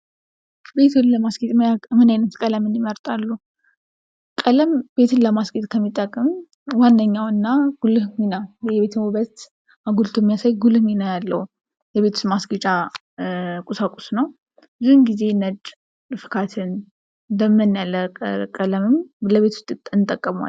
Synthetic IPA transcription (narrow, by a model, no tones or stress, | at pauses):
be̞t̪ʰulləmasɡet̪mamɨnajnət̪kʼələmɨnməɾt̪ʼalːu | kʼələmb̥e̞t̪ʰɨnləmasɡit̪ʼkʰəmːit̪ʼːəkʼːɨm | wanːəɲːawɨnːaɡ̥ulɨŋinajɛβe̞t̪ʰɨmuβət̪ | aɡult̪ʰomijasajɡulɨhɲinajalːəhu | jɛβet̪ʰu̥st̪masɡit͡ʃʼa | kʼusakʼusnəw | ɨzuhɨnɡize̞nət͡ʃʼː | lɨfɨ̥kʰat̪ʰɨn | d̪əmːɨnjaləkʼələmɨmləβe̞t̪ʰu̥st̪ʼɨt̪ʼɨnt̪ʼəkʼːəmwa̰